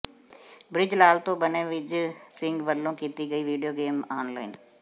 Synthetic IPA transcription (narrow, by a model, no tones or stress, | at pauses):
bɾɪd͡ʒlaːlt̪õːbənẽːʋɪt͡ʃsɪ̃ŋɡʋəlːõːkiːt̪iːɡəiːʋiːɖijoːɡeːmaːnlaːɪn